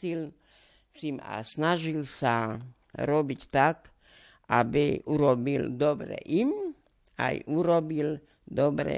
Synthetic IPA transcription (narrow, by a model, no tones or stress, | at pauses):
il | sima̰snaʒilsa | ɾobitt̪ak | abeuɾobild̪obɾḛʔim | a̰juɾobil | d̪obɾɛ̰